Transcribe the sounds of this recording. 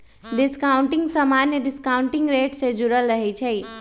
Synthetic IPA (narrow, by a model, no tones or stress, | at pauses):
ɖɪskaʊ̃ɳʈɪŋɡsəmanjəɖɪskauɳʈɪŋɡɾeʈsẽd͡ʒuɾəlɾəɦɛt͡ʃʰɛi